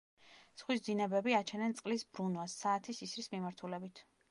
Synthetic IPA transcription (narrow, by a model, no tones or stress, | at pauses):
sχwisd̪zinɛbɛbiat͡ʃʰɛnɛnt̪sʼqʼlisbɾunvasːaːt̪ʰisisɾismimaɾt̪ʰulɛbit̪ʰ